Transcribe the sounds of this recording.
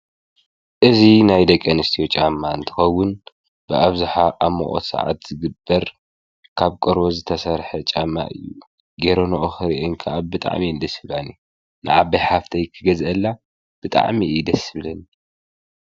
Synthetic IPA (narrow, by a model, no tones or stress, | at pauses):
ʔɨzinajd̪ɐkʼːɐnɨst̪ʰiot͡ʃʼamːaɨnt̪ʰɨ̥xɐwːʊn | b̥ɨʔaβzɨħaʔamo̰ʔʼo̰t̪sa̰ʕa̰t̪z̥ɨɡɨbːɐɾ | kʰaβkʼoɾbozɨt̪ʰɐsɐɾħɐt͡ʃʼamːa̰ʔɨ̰jːu | ɡeɾo̞noʔoxɨɾiʔɨŋkʰɐʔabɨt̪ʼa̰ʕmiɨnd̪ɐsɨβlani | nɨ̰ʕaβɐjħaft̪ʰɐjkʰɨɡɐzʔɐlːa | b̥ɨt̪ʼa̰ʕmid̪ɐsɨβlɐni